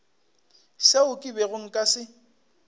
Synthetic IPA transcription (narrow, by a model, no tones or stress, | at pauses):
seʊkʼɪbɛɣʊŋ̩kʼasɪ